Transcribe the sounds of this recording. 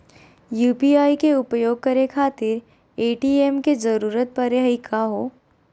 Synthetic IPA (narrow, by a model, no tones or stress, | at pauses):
juːpiːaːikeʊpjoːɡ̚kɐɾekʰaːt̪ɪɾ | eːʈiemkezɐɾuːɾət̪̚pɐɾɪɦəikʰaɦoː